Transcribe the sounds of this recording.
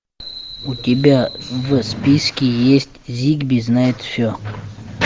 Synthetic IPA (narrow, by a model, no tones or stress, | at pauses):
utʲibʲavəspʲiskʲɪjesʲtʲzʲiɡbʲiznaɪt̪fsʲo